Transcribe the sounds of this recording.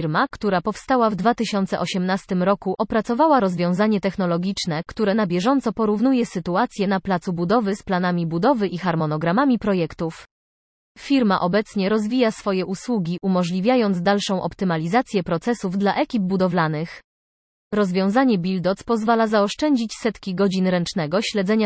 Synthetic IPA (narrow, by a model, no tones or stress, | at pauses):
ɾmakt̪uɾapɔfst̪awavd̪vat̪ɘɕɔnt̪sɛʔɔɕɛmnast̪ɘmɾɔkuʔɔpɾat̪sɔvawaɾɔzvʲjɔ̃w̃zaɲɛt̪ɛxnɔlɔɡʲit͡ʂnɛkt̪uɾɛnabʲjɛʐɔnt̪sɔpɔɾuvn̪ujɛsɘt̪uat̪sʲjɛnaplat̪subud̪ɔvɘsplanamʲibud̪ɔvɘʔixaɾmɔnɔɡɾamamʲipɾɔjɛkt̪uf | fʲiɾmaʔɔbɛt̪sɲɛɾɔzvʲijasfɔjɛʔuswuɡʲiʔumɔʐlʲivʲjajɔnd̪zd̪alʂɔ̃w̃ʔɔ̰pt̪ɘmalʲizat̪sʲjɛpɾɔt̪sɛsuvd̪laʔɛkʲib̚bud̪ɔvlanɘx | ɾɔzvʲjɔ̃w̃zaɲɛbʲild̪ɔt̪spɔzvalazaɔʂt͡ʂɛɲd͡ʑit͡ɕsɛt̪kʲiɡɔd͡ʑinɾɛnt͡ʂnɛɡɔɕlɛd̪zɛɲa